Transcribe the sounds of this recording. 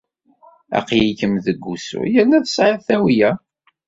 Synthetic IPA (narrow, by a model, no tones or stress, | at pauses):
æ̰qjikəmðəɡʷːusṵjəɾnæθə̥sʕəθæwijæ